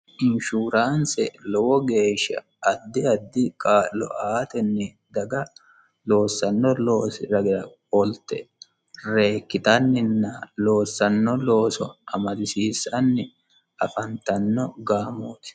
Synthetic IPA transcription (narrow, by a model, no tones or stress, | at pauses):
ʔɪnʃuːɾaːnsɛlɔwɔɡe̞ːʃːɐ̰ | ɐd̪ːɪɐd̪ːɪkʼaːlɔ̰ʔaːt̪ɛnːɛ | d̪ɐɡɐ | lo̞ːsːɐnːɔloːsɪɾɐɡɪɾɐ | ɔlt̪ɛ | re̞ːkːɪt̪ɐnːɪnːɐlo̞ːsːɐnːɔloːsɔʔɐmɐd̪ɪsiːsːɐnːɪ | ɐfɐnt̪ɐnːɔɡaːmoːt̪ɪ̥